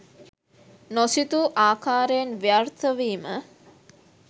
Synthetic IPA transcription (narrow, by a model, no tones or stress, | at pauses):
nosit̪uʔaːkaːɾejenʋijart̪ʰəʋiːmə